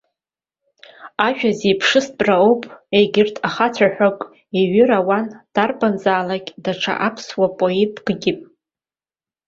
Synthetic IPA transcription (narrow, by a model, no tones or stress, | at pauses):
aʒᶣazepʰʂɨsbʼraowpʼejɡʲɪrtʰaχat͡sʷʰaħʷᶣakʼ | iɥʏɾawand̥arbanzaːlakʲʼdaʈ͡ʂʰa̰ʔapʰswapʼoetʼɡ̥ɡʲɪpʼ